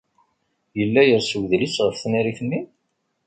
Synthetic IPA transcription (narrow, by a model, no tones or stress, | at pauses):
jəlːæjəɾsəwðlisʁəfθniɾiθənːi